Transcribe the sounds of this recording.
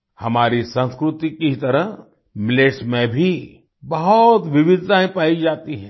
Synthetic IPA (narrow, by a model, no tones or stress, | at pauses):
hɐmaːɾisə̃nskɾʊt̪ikit̪ɐɾəɦ | mɪleːʃmẽbʱi | bɐɦɔt̪ʋɪʋɪd̪ʱtãːɦẽpaːid͡ʒaːt̪iɦɛ̃ː